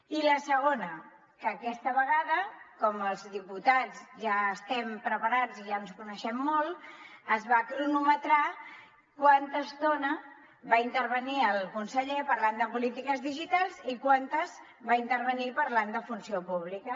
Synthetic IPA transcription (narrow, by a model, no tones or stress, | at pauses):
iləsəɣonə | kəːkɛst̪əβəɣaðəkɔməlˠzðiput̪ad͡zʒaəst̪ɛmpɾəpəɾad͡ziʒanskunəʃɛmːɔlˠəzβakɾunumət̪ɾa | kwant̪əst̪onə | βaint̪əɾβəniəlˠkunsəʎepəɾland̪əpulit̪ikəzðiʒit̪alˠzikwant̪əz | βaint̪əɾβənipəɾland̪əfunsiopuβ̞likə